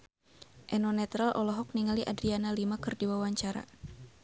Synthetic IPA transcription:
ʔɛnɔnɛt̪ɾalʔɔlɔɦɔk̚niŋaliʔadɾianalimakɨrdiwawaɲt͡ʃaɾa̰

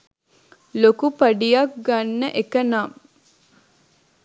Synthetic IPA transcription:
lokupaɖijɐk̚ɡanːəʔekənam

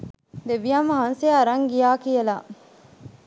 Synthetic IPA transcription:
d̪eʋijamɐɦanseaːɾɐŋɡijaːkijɐla

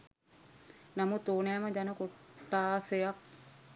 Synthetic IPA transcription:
namut̪ːoːnejaməd͡ʒanəkoːaːsejak̚

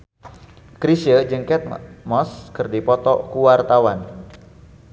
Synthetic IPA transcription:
kɾisjəd͡ʒɨŋkɛt̪̚mɔskɨrdipɔt̪ɔ̰kuwart̪awan

